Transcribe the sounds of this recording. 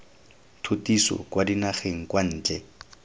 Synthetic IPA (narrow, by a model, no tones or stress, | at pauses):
tʰotisɔ̰kwadinaχeŋ̩kwan̩ːd͡ʒɛ